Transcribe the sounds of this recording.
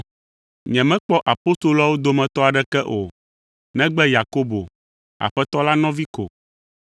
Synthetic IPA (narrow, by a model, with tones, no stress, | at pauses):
ɲɛ̃˨mɛ̃˦k͡pɔ˦ʔa˨po˦st̪o˨lo˦a˦wo˦d̪o˨mɛ̃˨t̪ɔ˦a˨ɖɛ˦kɛ˦ʔo˨ | nɛ̃˦ɡ͡bɛ˦ja˨ko˦bo˨ | a̰˨ɸɛ˦t̪ɔ˦la˦nɔ̃˦vi˦ko˨